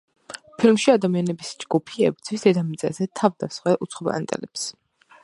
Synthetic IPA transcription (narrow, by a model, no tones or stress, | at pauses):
pʰilmʃiad̪amianɛbisd͡ʒɡupʰiɛ̰bd̪zʰwisd̪ɛd̪amit̪sʼɛzɛt̪ʰavd̪asχwɛʔṵt̪sχɔba̰nt̪ʼɛ̰lɛps